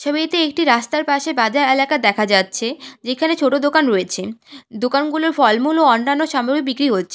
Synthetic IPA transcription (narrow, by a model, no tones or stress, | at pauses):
ʃɔbit̪eek̚ʈiɾast̪aɾpaʃebad͡ʑaɾelakad̪ɛkʰad͡ʑatːɕʰed͡ʑekʰanet͡ɕʰoʈod̪okanɾoet͡ɕʰed̪okanɡuloɾfɔlmuloɔnːanoʃamoɾik̚bikɾiɦotːɕʰe̥